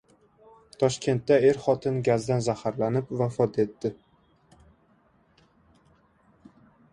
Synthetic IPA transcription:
t̪ʰɒʃkʲe̞nt̪ːae̞ɾχɒt̪ʰɪnɡʲazd̪anzahaɾlanɪpvafɒt̪e̞t̪ːɪ

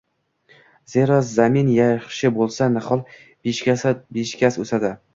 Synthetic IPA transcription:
ze̞ɾɒzaminjaχʃɪbolˠsanɪχɒlˠ | beʃkʲasabeʃkʲasosad̪ɪ

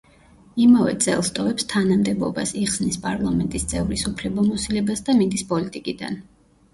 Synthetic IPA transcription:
imavɛ̰t̪sʼɛ̰lˠst̪ʼɔvɛpst̪ʰanamd̪ɛbɔ̰ba̰siχsnispʼaɾlˠamɛnt̪ʼist̪sʼɛvɾisupʰlɛbamɔsilɛbasd̪amind̪ispʼɔlit̪ʼikʼid̪a̰n

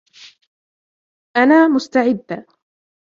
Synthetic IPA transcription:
ʔanaːmʊst̪aʕɪd̪ːa

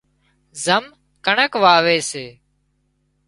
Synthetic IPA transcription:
zəm | kəɳəkʋaːʋeːseː

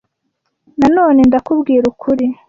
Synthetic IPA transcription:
nano̞ːne̞ndakubɡiːɾukʰuɾi

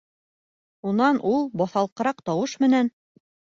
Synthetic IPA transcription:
unɑnʔulˠbɑθɑlˠqɤ̆ɾɑqt̪ɑwɤʃmɘ̆næn

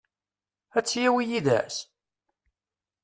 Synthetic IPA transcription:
æt͡sːjæwijiðæ̰s

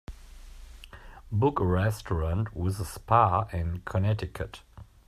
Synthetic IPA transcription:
bʊkɹɛstʰəɹə̃ntʰwɪzəspʰaɪ̃nkʰənɛtɪkʰət

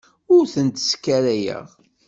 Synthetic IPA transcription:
ʊɾθənt̪ə̥skːæɾæjə̰ʁ

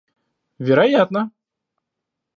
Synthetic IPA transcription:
vʲɪɾɐjat̪nə

